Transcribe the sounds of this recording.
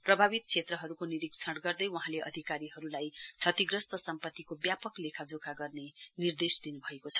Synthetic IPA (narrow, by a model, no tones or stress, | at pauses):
prʌbʱabit̪̚kt͡sʰet̪rʌɦʌɾukoniɾikt͡sʰʌɽɡʌrd̪ʌjwuɦãleʔʌ̰d̪ʱikaɾiɦʌɾulajt͡sʰʌt̪iɡrʌst̪ʌsʌmpʌt̪ːikobjapʌklekʰad͡zokʰaɡʌrnenird̪esd̪inubʱʌekot͡sʰʌ̥